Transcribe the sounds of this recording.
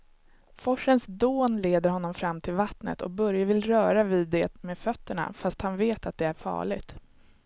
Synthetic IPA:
fɔʂːənsd̪oːnleːd̪əɾhɔnːɔmfɾamːt̪ʰɪlvat̪nə̰t̪ʰɔ̰k̚bœɾjavɪlɾœːɾaviːd̪ɛːt̪meːfœt̪ːəɳa̰fast̪hanveːt̪at̪̚d̪ɛæɾfɑ̰ːɭɪɡt̪

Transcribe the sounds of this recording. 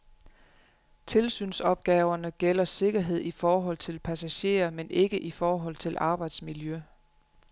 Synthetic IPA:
t͡sʰe̝lsy̰ːnsɒ̽b̥̚ɡ̥ɛːʊɐnəɡ̥el̰ɐse̝ɡ̥ɐɦe̝ð̞̰ˠifɒːɦɒ̽l̰t͡sʰe̝lpʰæsæɕe̝̰ːɐmenʔe̝ɡ̥əʔifɒːɦɒ̽l̰t͡sʰe̝lʔɑ̈ːb̥ɑ̈ɪd̥smiljø

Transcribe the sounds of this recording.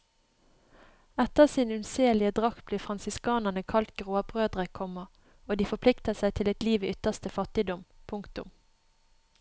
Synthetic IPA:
ɛt̪əʁsiːnʉnseːlɪəd̪ʁɑkb̥liːfʁɑnsɪskɑːnənəkʰɑlt̪̚ɡ̥ʁoːbʁøːd̪ʁəkʰɔmə | oːd̪iːfɔpʰlɪkt̪əsæɪt̪ʰɪlɛt̪liːʋəʏt̪əʁst̪əfɑt̪ɪd̪ɔmpʰʊŋkt̪ʊ̰m

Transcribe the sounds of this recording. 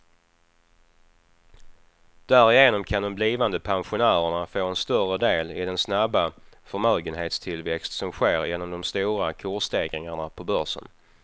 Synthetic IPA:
d̪̥æɾɪjeːnɔmkʰand̪ɔmbliːvand̪əpʰanɧʊnæːɾəɳafoːɛnst̪œrəd̪eːlɪd̪ɛnsnabːafœɾmøːɡənɦeːt̪st̪ʰɪlvɛkst̪sɔmɧeːɾjɛnːɔmd̪ɔmst̪uːɾakʰʊʂt̪eːɡɾɪŋaɳapʰɔbœʂə̰n

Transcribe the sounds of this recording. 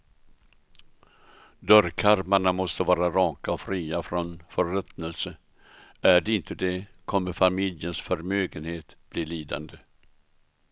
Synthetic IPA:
d̪œɾkʰaɾmaɳamɔst̪əvɑːɾaɾɑːkaɔfɾiːafɾɔnfœɾɛt̪nəlsə | æɖɛɪnt̪ʰəd̪ɛkʰɔmːəɾfamɪljənsfœɾmøːɡənheːt̪b̥liːliːd̪a̰nd̪ə

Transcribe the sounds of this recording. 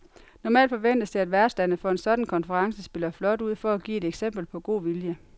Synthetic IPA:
nɒmɛ̰ːld̥fɒ̽ʋen̰d̥əsiædʋæɐsd̥ænəfɒ̽e̝nsɒ̽d̥n̩kʰɒ̽nfəʁɑ̈ŋsəsb̥e̝lɐflɒ̽d̥uð̞̰ˠfɒ̽æɡ̥ḭːe̝d̥eɡ̥sem̰b̥l̩pʰɒ̽ɡ̥o̝̰ːʋiljə

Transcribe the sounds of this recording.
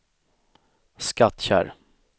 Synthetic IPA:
skat̪ɕæ̰ːɾ

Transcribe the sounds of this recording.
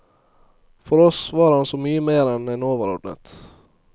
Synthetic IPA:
fɔɾɔsʋɑɾhansɔmyːəmeːɾɛnɛnoːʋəɾo̰ːd̪nə̰t̪

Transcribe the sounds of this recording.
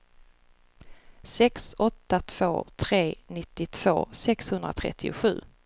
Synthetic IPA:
sɛksɔt̪ːat̪ʰv̥o̰ːt̪ʰɾeːnɪt̪ːɪt̪ʰv̥o̰ːsɛkshɵnd̪ɾa̰t̪ʰɾɛ̰t̪ʰːɪʊɧʉ̟ː

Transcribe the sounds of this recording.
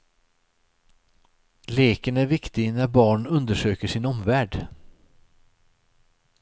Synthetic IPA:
leːkənæɾvɪkt̪ɪnæɾbɑːɳɵnd̪əʂøːkəʂɪnɔmvæːɖ

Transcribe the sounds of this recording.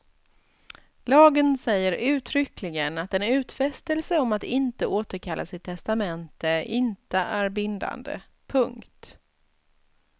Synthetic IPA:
lɑːɡənsɛjːəɾʉ̟ːt̪ʰɾʏklɪɡənat̪ɛnʉ̟ːt̪fɛst̪əlsəɔmat̪ɪnt̪əoːt̪əɾkʰalːʔa̰sɪt̪ʰːɛst̪amɛnt̪əɪnt̪əʔæɾbɪnd̪a̰nd̪ə̰ | pʰɵŋkt̪

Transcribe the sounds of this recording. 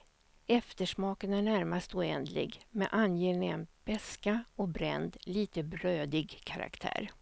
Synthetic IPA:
ɛft̪əʂmɑːkənæɳæɾmast̪ɔɛnd̪lɪ̰ɡmɛ̰ʔanjeːnɪənb̥ɛskaɔbɾɛ̰nd̪liːt̪əbɾøːd̪ɪɡkʰaɾa̰kt̪ʰæ̰ːɾ

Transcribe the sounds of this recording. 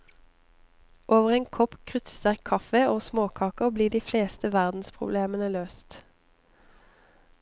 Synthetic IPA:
ʔoːʋəʁeːŋkʰɔpkʰʁʏt̪səʁkʰɑfəoːsmoːkʰɑːkəbliːd̪iːfleːst̪əʋæʁd̪n̩spʰʁʊ̰bleːmənəløːst̪

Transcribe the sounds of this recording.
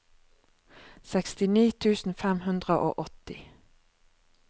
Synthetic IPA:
sɛkst̪ɪniːt̪ʰʉːsn̩fɛmhʉnd̪ʁəʔo̰ːʔɔt̪ɪ

